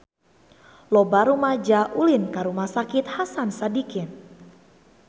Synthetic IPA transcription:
lɔbaɾumad͡ʒaʔulɪnkaɾumahsakɪt̪hasansadikɪn

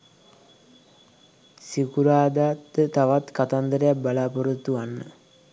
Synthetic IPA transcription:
sikuɾaːd̪at̪ːət̪aʋat̪kat̪and̪əɾəjak̚balaːpoɾut̪ːuanːə

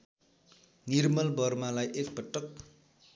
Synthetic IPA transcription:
nirmʌlbʌrmalajʔekpʌʈːʌk̚

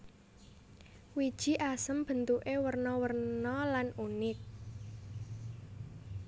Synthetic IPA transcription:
wid̥ʒ̥i̤ʔasəmb̥ə̤nt̪uʔewərnɔwərnɔlanunɪk̚

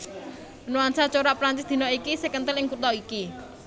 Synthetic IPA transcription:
nuwansat͡ʃoɾapɾaɲt͡ʃɪsd̪̥i̤nɔikisekənt̪ɪlɪŋkut̪ɔiki

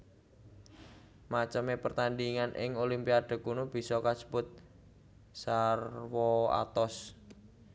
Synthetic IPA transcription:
mat͡ʃəmepərt̪andiŋanʔɪ̰ŋolimpiaɖ̥a̤kunub̥i̤sɔkasə̥bʊt̪̚ | sarwɔa̰t̪ɔs

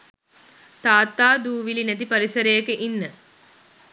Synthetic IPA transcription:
t̪aːt̪ːaːd̪uːʋilinæt̪̬ipɐɾisɐɾejəkeʔinːə

